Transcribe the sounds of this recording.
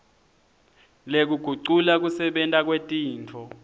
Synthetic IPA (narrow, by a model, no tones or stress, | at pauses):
lek̬uɡ̥ʱuǀulak̬usɛɓɛntʼak̬wetʼiːnt͡fʰɔ